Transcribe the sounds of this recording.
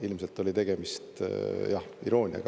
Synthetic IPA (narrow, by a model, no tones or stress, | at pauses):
ilmse̞lt̪ːˑo̞lʲit̪e̞ɡ̥e̞mist̪jɑhiɾo̞ːnʲiɑ̰ɡ